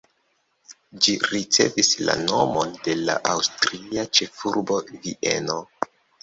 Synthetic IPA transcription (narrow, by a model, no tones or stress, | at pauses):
d͡ʒiɾit͡se̞̰visla̰no̞mo̞nde̞la̰ʔawstɾiat͡ʃe̞fuɾbo̞viʔe̞̰no̞